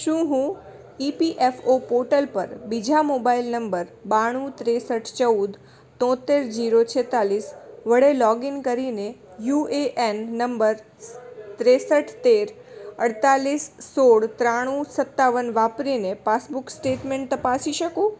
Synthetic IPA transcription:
ʃũɦũ | ipiʔefopoʈəlpəɾbid͡ʒʱamobailnəmbəɾbaɽ̃ũt̪ɾesəʈʰt͡ʃəud̪ | t̪ɔ̃t̪eɾd͡ʒiɾot͡ʃʰet̪alisʋəɽelɔɡinkəɾinejueʔenːəmbəɾ | t̪ɾesəʈʰt̪eɾ | əɽt̪alisːoɽt̪ɾaɽ̃ũsət̪ːaʋənʋapɾinepasbuksʈeʈmẽɳʈ̚t̪əpasiʃəkũ

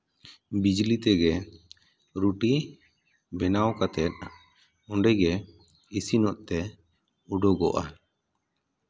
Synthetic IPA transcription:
bid͡ʒlit̪ɛɡɛ | ɾuʈi | bɛnawkat̪ɛt̪̚ | ɔɳɖɛɡɛ | isinɔʔt̪ɛ | uɖɔɡɔʔa

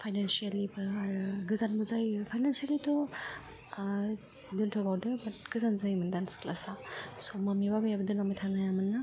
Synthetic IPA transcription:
pʰajnansialibaaɾɡɯzanbɯzajpʰajnansialitʰɔ | dɯntʰɔbawdɯbɐt̚ɡ̥ɯzanzajmɯndanskla̰sasɔmamibabajabɯdɯnamajtʰanajamɯnːa

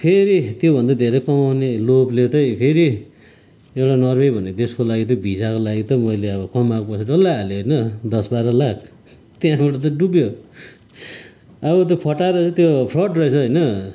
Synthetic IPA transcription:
pʰeɾit̪jobʱʌnd̪ad̪ʱeɾʌjkʌmawneloplet̪ʌpʰeɾi | ewʈanʌrbʌjbʱʌnet̪eskolaɡit̪̬ʌbʱisakolaɡit̪ʌmʌjleʌbʌkʌmakpʌsʰʌɖʌlːaːloɦʌjnʌd̪ʌsbaɾʌlakʰ | t̪jãbʌʈʌt̪̬ʌɖubjo | ʌβʌt̪̬jopʰʌʈːaɾʌʌ̃t̪jopʰrʌʈrʌet͡sʰʌʌjnʌ

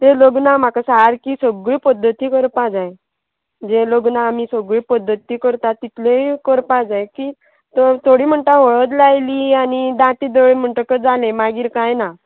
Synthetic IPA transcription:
t̪eloɡnam̤akasaɾkisəɡɭiːpəd̪ʱːət̪iːkəɾpad͡zaj | d͡zeloɡnaːmisəɡɭiːpəd̪ʱːət̪iːkəɾt̪at̪ːit̪ʰlekəɾpad͡zajkiː | t̪ət̪ʰoɽiːm̤əɳʈ̪aɦoɭət̪̬lajliːanid̪ãt̪iːd̪əɭem̤əɳʈəkəd͡zalẽmaɡiːɾkajna

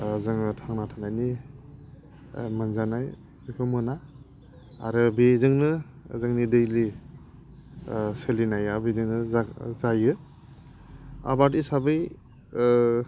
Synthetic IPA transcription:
zɯŋɯtʰaŋnatʰanajni | mɯnzanaj | bikʰɯmɯna̰ː | ɾɯbezɯŋnɯ | zɯŋnidɯjli | sɯlinajabidɯŋnɯazajɯ | a̰batisabɯj

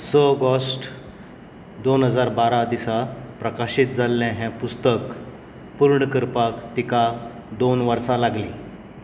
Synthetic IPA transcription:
səɡɔsʈ | d̪onɦəd͡zaɾbaɾad̪isapɾəkaɕit̪̚d͡zalːɛ̃ɦɛ̃pust̪ək | puɾɳəkəɾpakt̪ika | d̪onʋəɾsãlaɡliː

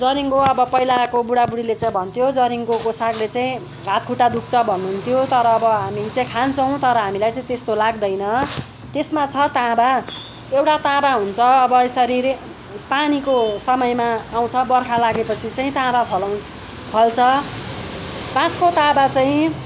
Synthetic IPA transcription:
d͡zʌɾiŋkoʌbʌpʌɦilakobuɽabuɽilet͡saĩbʱʌnt̪ʰjod͡zʌɾiŋkokosaɡlet͡saĩ | ɦat̪kʰuʈad̪uk̚ʰt͡sʰʌbʱʌnːuɦunt̪ʰjot̪ʌɾʌːbʌɦamit͡saĩkʰant͡sʰʌ̃w̃t̪ʌɾʌɦamilajt͡saĩt̪est̪olaɡd̪ʌjnʌ | t̪esmat͡sʰʌt̪ãba | ewʈat̪ãbaɦunt͡sʰʌːbʌesʌɾiɾ | panikosʌmʌjmaːw̃t͡sʰʌbʌrkʰalaɡepʌt͡sʰit͡saĩt̪ãbapʰʌlw̃ | pʰʌlt͡sʰʌ | pãt͡skot̪ãbat͡saĩ

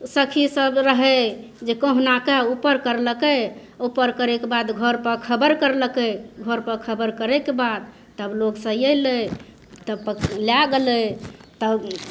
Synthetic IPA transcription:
səkʰisəbɾəɦɛ | d͡ʒekəɦunakeupəɾkəɾləkəupəɾkəɾekebad̪ɡʱəɾpəɾkʰəbəɾkəɾləkɛɡʱəɾpəɾkʰəbəɾkəɾɛkebad̪̚ | t̪əbloɡsəjələ | t̪əpəljaɡelət̪əb

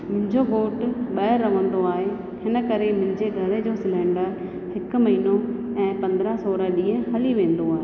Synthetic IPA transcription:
mʊ̃ɦɪ̃ɲd͡ʑoɡoːʈɓɐɦɪɾːɐʋə̃nd̪oaːɦe | hɪnə̆kɐɾemʊ̃ɦɪ̃ɲd͡ʑeɡʱɐɾed͡ʑoːsɪlɛ̃ːɳɖəɾ | hɪkmɐɦinoɛ̃ːpɐ̃nd̪ɾasoːɾəɗiːə̃ɦɐliʋẽːn̆d̪oaːɦeː

